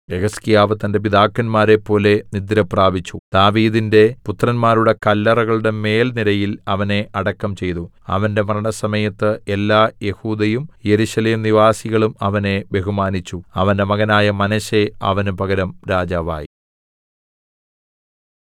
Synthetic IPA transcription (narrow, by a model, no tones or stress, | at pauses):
eɣɐskijaːʋɐt̪ːɐndepid̪aːkːɐnmaːɾe̞pːo̞ːle̞nid̪iɾɐpraːbit͡ɕːud̪̥aːʋiːðinde̞put̪rɐnmaːɾuɽe̞kɐlːɐrɐɣɐɭuɽe̞me̞ːlnilɐjilɐʋɐne̞ʔɐɽɐkːɐmt͡ɕe̞jt̪u | ɐ̰ʋɐnde̞mɐrɐɳɐsɐmɐjɐt̪ːɨelːaːje̞huːd̪ɐjumjeɾuɕɐleːmniʋaːsiɣɐɭumɐʋɐne̞be̞ɦumaːnit͡ɕːuɐʋɐnde̞mɐɣɐnaːjɐmɐnɐɕe̞ɐ̰ʋɐnupɐɣɐɾɐmɾaːd͡ʑaːʋa̰ːji